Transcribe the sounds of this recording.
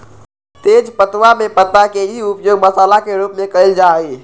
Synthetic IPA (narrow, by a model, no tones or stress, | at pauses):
t̪eːd͡ʒpət̪wamẽpət̪ːaked͡ʒiʊpjoːɡməsaːlakeɾupmẽkəɾeld͡ʒaːi